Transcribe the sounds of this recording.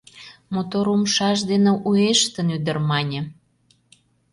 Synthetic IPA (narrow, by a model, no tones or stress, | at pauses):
mot̪oɾumʃɑʒd̪enĕʔueʃt̪ənyd̪ə̆rmɑnʲə̆